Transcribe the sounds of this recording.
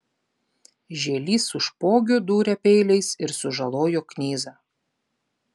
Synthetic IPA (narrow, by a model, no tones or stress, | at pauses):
ʒʲeːlʲiːsʊʃpoːɡʲʊd̪uːɾʲɛpʲɛɪlʲɛɪsɪɾsʊʒɐlˠoːjoknʲiːzɑː